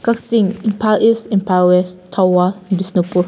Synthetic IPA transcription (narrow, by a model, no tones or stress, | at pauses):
kaksĩŋĩmpʰalisĩmpalwɛstʰawabisnopu